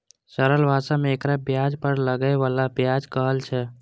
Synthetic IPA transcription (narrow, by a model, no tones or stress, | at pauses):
səɾəlbʱasameːkɾabjad͡ʒpəɾləɡəeβalabjad͡ʒkəɦəlt͡ʃʰɛ